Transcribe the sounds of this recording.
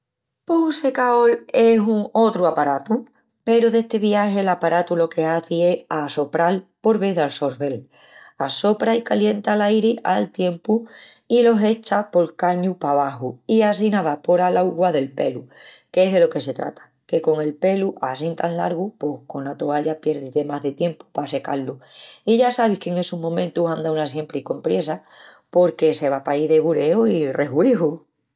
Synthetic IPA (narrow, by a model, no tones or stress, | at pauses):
pouse̞kao̞le̞suŋo̞t̪ɾuapaɾat̪u | pe̞ɾoðe̞hst̪e̞βijahe̞lapaɾat̪ulo̞ke̞aθie̞aso̞pɾalpo̞ɾβe̞ðalso̞ɾβe̞l | aso̞pɾaikalje̞nt̪alajɾia̰lt̪je̞mpu | ilo̞se̞t͡ʃapo̞lkaɲupaβaɦuias̬inaβapo̞ɾalauɣwaðe̞lpe̞̰lu | keeɦðe̞lo̞ke̞se̞t̪ɾa̰t̪ʰḁ | ke̞ko̞ŋe̞lpe̞luʔasint̪anla̰ɾɣupo̞hkonat̪oaʎapje̞ɾðit̪e̞maɦðe̞t̪je̞mpu̥pase̞ka̰lːuiʝasaβ̞ihkeŋe̞sumõ̞mẽnt̪usand̪aunas̬je̞mpɾiko̞mpɾje̞sa | po̞ɾke̞se̞βapaiðe̞βuɾe̞oire̞ɦwihu